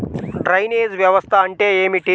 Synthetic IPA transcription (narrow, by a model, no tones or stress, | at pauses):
ʈɾɐjned͡zʋjɐʋəst̪ʰaɐɳʈejemiʈi